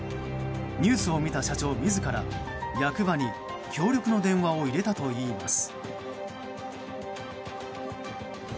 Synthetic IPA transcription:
ɲ̟ɨːsɨo̞mʲit̪aɕat͡ɕo̞ːmʲizɨkaɾa̰ | jakɯ̟baɲ̟i | kʲʰo̞ːɾʲjo̞kɯ̟no̞d̪ẽ̞ɰ̃βao̞iɾe̞t̪at̪o̞iːmasɨ̥

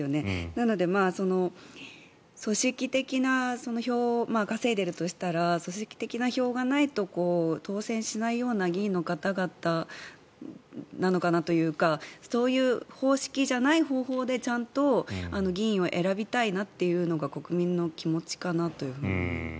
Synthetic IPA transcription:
one̞nano̞d̪e̞maːso̞no̞ | so̞ɕikʲit̪e̞kʲinaso̞no̞ço̞ːmaːɡase̞ːd̪e̞ɾɯ̟t̪o̞ɕi̥t̪aɾaso̞ɕikʲi̥t̪e̞kʲinaço̞ːɡanait̪o̞ko̞ːt̪o̞ːsẽ̞ɰ̃ɕinaijo̞ːnaɡʲĩːnːo̞kat̪aɡat̪a | nano̞kanat̪o̞jɯ̟ːkaso̞ːjɯ̟ːho̞ːɕi̥kʲiʑanaiɦo̞ːɦo̞ːd̪e̞t͡ɕãnt̪o̞ano̞ɡʲĩo̞ʔe̞ɾabʲit̪ainat̪ːe̞jɯ̟ːno̞ɡako̞kɯ̟mʲĩnːo̞kʲimo̞t͡ɕi̥kanat̪o̞jɯ̟ɸɯ̟̰ːɲḭ

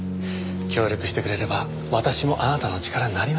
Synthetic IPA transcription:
kʲo̞ːɾʲo̞kɯ̟ɕi̥t̪e̞kɯɾe̞ɾe̞ba | βat̪aɕimo̞ʔanat̪ano̞t͡ɕi̥kaɾaɲinaɾʲim

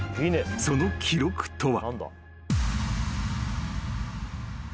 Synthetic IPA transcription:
ineso̞no̞kʲʰiɾo̞kɯ̟̥t̪o̞βa̰nd̪a̰

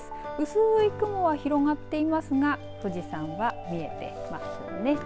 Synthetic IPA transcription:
sɨ̥ɯ̟sɨːikɯ̟mo̞βaçiɾo̞ŋat̪ːe̞imasɨɡa | t̪o̞ʑisãɰ̃βamʲie̞t̪e̞̰ma̰sɨne̞

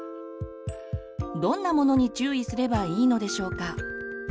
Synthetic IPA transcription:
d̪õ̞nːamo̞no̞ɲ̟it͡ɕɨːisɨɾe̞baiːno̞d̪e̞ɕo̞ːka

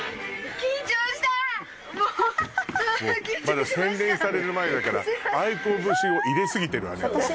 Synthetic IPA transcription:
kʲĩɲt͡ɕoːɕi̥t̪a | omad̪asẽ̞nɾẽ̞ɰ̃saɾe̞ɾɯ̟maed̪akaɾa̰aikobɯ̟ɕio̞ʔiɾe̞sɨɡʲit̪eɾɯ̟βa̰ne

